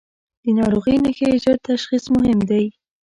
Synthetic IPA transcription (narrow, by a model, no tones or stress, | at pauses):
d̪̥ənɑɾoɣəjnaxeɪd͡ʒɑd̪̚t̪aʃxismʊɦɪmd̪aj